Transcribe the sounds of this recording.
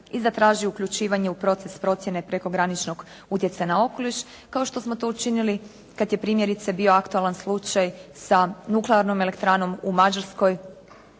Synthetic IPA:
izat̪ɾaːʒiukʎʲut͡ʃiːʋaɲeupɾo̞t̪sespɾo̞t̪sje̞nepɾe̞ko̞ɡɾanit͡ʃno̞ɡ | ut̪je̞t̪sanao̞ko̞liʃ | kaoʃt̪o̞smo̞t̪o̞ut͡ʃinili | kad̪je̞pɾiːmje̞ɾit̪sebio̞akt̪ualˠanslˠut͡ʃajsanukleaɾno̞me̞le̞kt̪ɾaːno̞mumad͡ʒaɾsko̞j

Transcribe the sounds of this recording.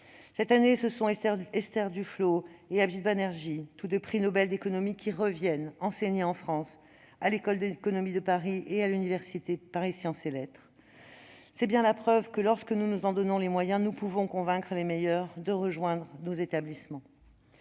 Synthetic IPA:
sɛt̪anesəsɔ̃ɛst̪ɛʁd̪yfloeabʒid̪̚banɛʁʒit̪ud̪əpχinɔbɛld̪ekɔnɔmikʲiʁəvjɛnɑ̃seɲeɑ̃fχɑ̃s | alekɔld̪əkɔnɔmid̪əpaʁiealynivɛʁsit̪epaʁisjɑ̃selɛt̪χ | sɛbjɛ̃lapχœvkəlɔʁskənunuzɑ̃d̪ɔnɔ̃lemwajɛ̃nupuvɔ̃kɔ̃vɛ̃kχəlemejœʁd̪əʁəʒwɛ̃d̪ʁənozet̪ablismɑ̃

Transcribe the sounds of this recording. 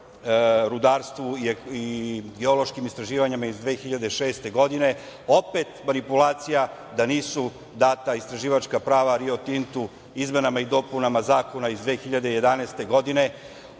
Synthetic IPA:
ɾud̪aːɾst̪ʋuiiɡeo̞lo̞ʃkimist̪ɾaʒiːʋaɲimaizd̪ʋe̞ːxiʎad̪eʃe̞ːst̪e̞ɡo̞d̪ine̞ | o̞pe̞t̪manipulaːt̪sija | d̪aniːsu | d̪aːt̪aist̪ɾaʒiːʋat͡ʃkapɾaːʋaɾio̞t̪int̪u | izme̞namaid̪o̞punamazaːko̞naizd̪ʋe̞ːxiʎad̪e̞ije̞d̪aneːst̪e̞ɡo̞d̪ine̞

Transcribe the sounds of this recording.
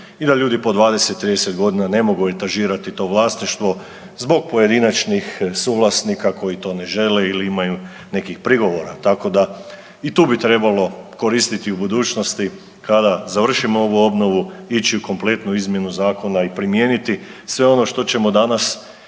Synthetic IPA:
id̪aʎuːd̪ipo̞d̪ʋaːd̪e̞se̞t̪ːɾiːd̪ese̞t̪ɡo̞d̪inane̞mo̞ɡue̞t̪aʒiːɾat̪it̪o̞ːʋlˠaːsniʃt̪ʋo̞ | zbo̞ɡ̚po̞je̞d̪inat͡ʃnixsuːɡlˠasnikakʰo̞jit̪o̞ne̞ʒe̞le̞iliimaju | ne̞kixpɾiɡo̞ʋo̞ɾat̪ako̞d̪a | it̪uːbit̪ɾe̞balo̞ko̞ɾist̪it̪iubud̪uːt͡ʃno̞st̪i | kad̪azaʋr̩ʃimoo̞ʋuo̞bno̞ʋuit͡ɕiuko̞mple̞t̪nuizmje̞nuzaːko̞naipɾimje̞nit̪isʋe̞o̞no̞ʃt̪o̞t͡ɕe̞mo̞d̪anas

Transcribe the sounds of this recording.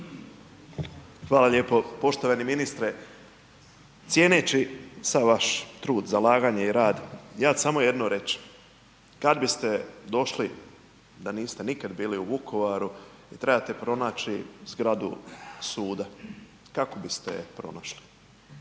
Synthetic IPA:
xʋaːlaʎe̞ːpo̞po̞ʃt̪oʋaniminist̪ɾe | t̪sje̞ːnet͡ʃisaʋʋaʃt̪ɾuːd̪zalaːɡaːɲeiɾaːd̪jaːsamo̞jed̪noɾe̞t͡ʃm | kad̪bist̪e̞d̪o̞ʃli | d̪aniːst̪enikad̪biːliubukʰo̞ʋaɾu | it̪ɾe̞bat̪e̞pɾo̞naːt͡ʃizɡɾad̪ṵsuːd̪a | kako̞bist̪epɾo̞̰naʃli

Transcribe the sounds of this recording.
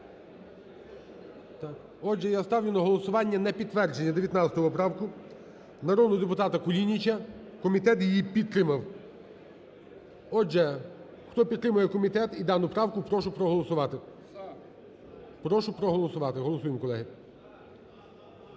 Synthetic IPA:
t̪ɑk | ɔd͡ʒɛjast̪ɑwlʲɪnɔɦɔlˠɔsʊʋɑnʲːɐnɛpʲid̪t̪ːʋɛrd͡ʒenʲːɐd̪eʋʲjɐt̪nɑt̪sʲɐt̪ɔʋɔpɾɑwkʊ | nɐɾɔd̪nʊd̪epʊt̪ɑt̪ɐkʊlʲinʲit͡ʃʲɐ | kɔmʲit̪ɛt̪jijipʲit̪t̪ːɾɪmɐw | ɔd͡ʒɛ | xt̪ɔpʲit̪t̪ːɾɪmʊjɛkɔmʲit̪ɛt̪id̪ɑnʊpɾɑwkʊpɾɔʃʊpɾɔɦɔlˠɔsʊʋɑt̪ɪ | pɾɔʃʊpɾɔɦɔlˠɔsʊʋɑt̪ɪɦɔlˠɔsujemkɔlˠɛɦɪ

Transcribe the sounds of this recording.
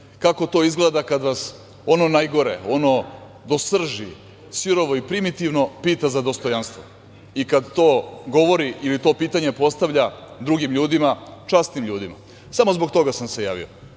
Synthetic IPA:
kako̞t̪o̞ːizɡled̪akad̪ʋas | o̞no̞najɡo̞ɾḛo̞no̞ | d̪o̞sr̩ʒḭ | siɾo̞ʋo̞ipɾimit̪iʋno̞piːt̪azad̪o̞st̪o̞janst̪ʋo | ikad̪t̪o̞ːɡo̞ʋo̞ɾiʔilit̪o̞ːpiːt̪aɲe̞po̞st̪aʋʎad̪ɾuɡimʎuːd̪imat͡ʃast̪nimʎuːd̪ima̰ | samo̞zbo̞ɡt̪o̞ɡasamse̞ja̰ːʋḭo̰

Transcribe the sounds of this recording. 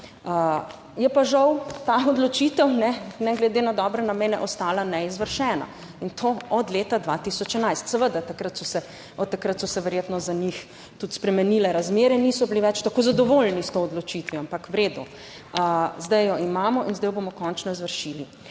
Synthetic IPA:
ə | jɛpaʒɐwt̪aɔd̪lɔt͡ʃit̪ɛwnɛnɛɡlɛd̪enad̪ɔːbɾɛnameːnɛʔɔst̪aːlanɛizʋəɾʃɛːna̰ | int̪ʰoɔd̪leːt̪ad̪ʋat̪isɔt͡ʃɛnajst̪sɛʋəd̪at̪akɾat̪sɔsɛ | ɔt̪ːakɾat̪sɔsɛʋɛɾjeːt̪nɔzanix | t̪ut̪spɾɛmɛnilɛɾazmeːɾɛniːsɔbiliʋɛt͡ʃt̪akoːzad̪ɔʋolnist̪oɔd̪lɔt͡ʃit̪ʋiampakwɾeːd̪u | əzd̪ajjɔimaːmɔʔinzd̪ajɔbomɔkɔnt͡ʃnɔizʋəɾʃili

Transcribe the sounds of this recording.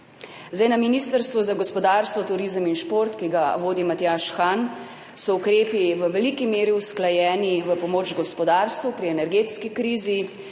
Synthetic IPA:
zd̪ajnaminist̪əɾst̪ʋuzaɡɔspɔd̪aːɾst̪ʋɔt̪uɾizəminʃpoɾt̪kiɡaʋoːd̪imat̪jaʃxan | sɔukɾeːpiʋəʋɛlikimeːɾiusklajɛːniʋəpɔmoːd͡ʒɡɔspɔd̪aːɾst̪ʋupɾiɛnɛɾɡeːt̪skikɾiːzi

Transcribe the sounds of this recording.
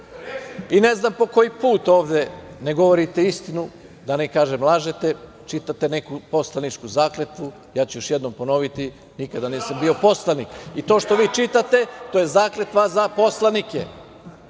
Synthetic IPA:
ine̞znampo̞ko̞jipuːt̪o̞ːʋd̪e̞ne̞ɡo̞ʋoɾit̪e̞ist̪inu | d̪anekaːʒemlˠaːʒet̪e̞ | t͡ʃit̪at̪ene̞kupo̞slˠanit͡ʃkuzaːklet̪ʋu | jaːt͡ɕujoʃjed̪no̞mpo̞no̞ʋit̪i | nikad̪aniːsambio̞po̞slˠanikit̪o̞ːʃt̪o̞ʋiːt͡ʃit̪at̪e̞t̪oːjezaːkle̞t̪ʋazapo̞slˠanikḛ

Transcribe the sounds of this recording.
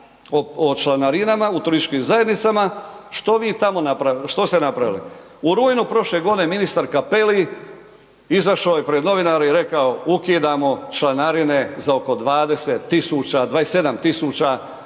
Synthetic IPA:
oot͡ʃlanaɾinamaut̪unit͡ʃkimzajed̪nit̪samaʃt̪o̞ʋiːt̪amo̞napɾaʃt̪o̞st̪enapɾaʋilḭ | uɾuːjnupɾo̞ʃle̞ɡod̪ine̞minist̪aɾkape̞li | izaʃaojepɾed̪no̞ʋinaɾeiɾe̞kaoukiːd̪amo̞t͡ʃlanaɾine̞zao̞ko̞d̪ʋaːd̪e̞set̪ːisuːt͡ɕad̪ʋaːese̞d̪amt̪isuːt͡ɕa

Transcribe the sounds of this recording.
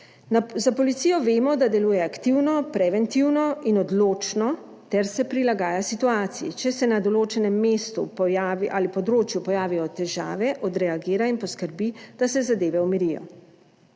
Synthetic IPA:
nazapɔlit̪siːjɔʋeːmɔd̪ad̪ɛlujɛakt̪iwnɔpɾɛʋɛnt̪iwnɔinɔd̪loːt͡ʃnɔ | t̪ɛɾsɛpɾilaɡaːjasit̪uaːt̪sijḭt͡ʃɛsɛnad̪ɔloːt͡ʃɛnɛmːeːst̪ṵpɔjaʋiʔalipɔd̪ɾoːt͡ʃjupɔjaːʋijɔt̪ɛʒa̰ːʋɛʔɔd̪ɾɛaɡeːɾainpɔskəɾbid̪̥asɛzad̪eːʋɛumiɾijɔ̰

